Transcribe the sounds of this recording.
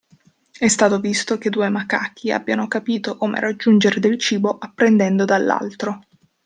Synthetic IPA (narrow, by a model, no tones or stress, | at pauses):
ɛst̪aːt̪ovist̪ok̟ed̪ːuːemaka̰kʰːia̰bːjanokapiːt̪okoːmḛɾad͡ʒːund͡ʒeɾed̪elt͡ʃiːboʔapːɾend̪ɛnd̪od̪alːa̰lt̪ɾo